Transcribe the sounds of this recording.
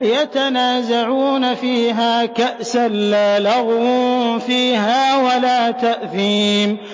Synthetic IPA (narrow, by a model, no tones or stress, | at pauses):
jat̪anaːzaʕuːnafiːɦaːkaʔsalːaːlɑɣwfiːɦaːwalaːt̪aʔθiːm